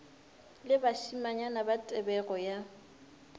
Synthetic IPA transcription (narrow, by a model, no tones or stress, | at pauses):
lɪbaʃimaɲanabatʼɛbɛɣɔja